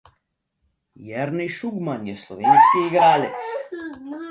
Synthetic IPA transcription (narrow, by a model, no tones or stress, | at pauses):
jɛɾniʃuɡmanjɛslˠoʋeːnskiːɡɾaːlet̪s